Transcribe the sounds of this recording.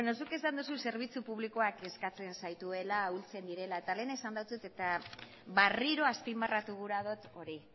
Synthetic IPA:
eno̞suke̞sand̪us̬use̞ɾβ̞it͡supuβliko̞ake̞skat͡se̞nsajt̪ue̞lault͡se̞nd̪iɾe̞lae̞t̪ale̞ːnaesand̪awt͡set̪e̞t̪a | βariɾo̞aspimbarat̪uɣuɾað̞o̞t̪o̞ɾi

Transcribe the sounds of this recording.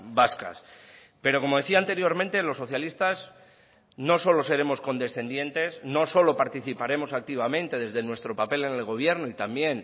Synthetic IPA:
baska̰s | pe̞ɾo̞ko̞mo̞ðe̞θiant̪e̞ɾjo̞ɾmẽnt̪elo̞sːo̞θjalist̪az | no̞so̞lose̞ɾe̞mo̞sko̞nd̪e̞sθe̞nd̪je̞nt̪e̞sno̞so̞lo̞paɾt̪iθipaɾe̞mo̞sak̚t̪iβamẽ̞nt̪e̞ðe̞zðe̞nwe̞st̪ɾo̞pape̞le̞nelɣo̞β̞je̞ɾnoit̪ambje̞n

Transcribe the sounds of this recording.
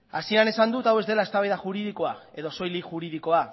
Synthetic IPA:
asieane̞sand̪ut̪awe̞zd̪e̞lae̞st̪aβajðaʝuɾiðiko̞ae̞ðo̞so̞jliʝuɾið̞iko̞a

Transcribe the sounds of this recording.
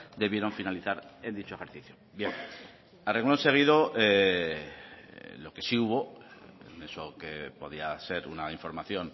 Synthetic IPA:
d̪e̞βje̞ɾo̞ɱfinaliθaɾe̞nd̪it͡ʃo̞e̞xe̞ɾθiθjobje̞ŋ | areɣlonse̞ɣ̞iðo̞ʔe | lo̞ke̞siuβo̞ | nesokepo̞ðiase̞ɾunaiɱfo̞ɾmaθjo̞n

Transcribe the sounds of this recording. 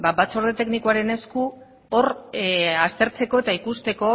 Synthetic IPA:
babat͡so̞ɾðe̞t̪eknikuaɾe̞ne̞sku | o̞r | ast̪e̞ɾt͡se̞ko̞e̞t̪aikust̪e̞ko̞

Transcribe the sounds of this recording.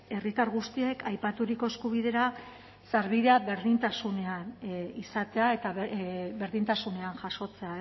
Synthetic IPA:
e̞rit̪aɾɣust̪ie̞kʰajpat̪uɾiko̞e̞skuβ̞iðe̞ɾa | saɾβiðeaβe̞ɾðint̪asune̞anisat̪e̞ae̞t̪abeɾðint̪asune̞anʝaso̞t͡se̞ae

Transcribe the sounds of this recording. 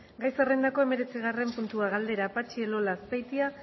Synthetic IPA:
ɡajsarend̪ako̞e̞me̞ɾe̞t͡siɣare̞mpunt̪uaɣald̪e̞ɾapat͡ʃielo̞laspajt̪ia

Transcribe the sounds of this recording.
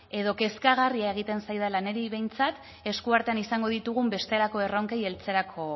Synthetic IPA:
e̞ð̞o̞ke̞skaɣ̞ariae̞ɣ̞it̪e̞nsajðalane̞ɾiβe̞jnt͡sat̪ | e̞skuaɾt̪eanisaŋɡo̞ðit̪uɣ̞umbe̞st̪e̞lako̞e̞roŋkeje̞lt͡se̞ɾakʰo̞

